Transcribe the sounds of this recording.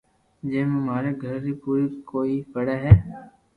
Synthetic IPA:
d͡ʒeːmẽmaːɾeɡʱəɾdipuːɾikoːipɐɽaɦɛː

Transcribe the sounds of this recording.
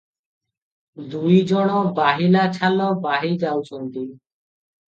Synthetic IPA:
d̪ujd͡ʒɔɽ̃ɔbaɦilat͡ʃʰalɔbaɦid͡ʒawt͡ʃʰɔnt̪i

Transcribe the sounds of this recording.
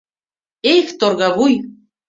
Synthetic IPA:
ext̪orɣɑβuj

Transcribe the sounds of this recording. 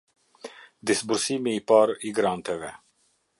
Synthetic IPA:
d̪isbuɾsiːmiipɑːɾiɡɾaːnt̪ɛvɛ

